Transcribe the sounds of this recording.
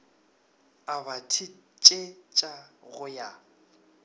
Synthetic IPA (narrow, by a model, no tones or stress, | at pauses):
aβatʰit͡ʃʼet͡ʃʼaɣʊja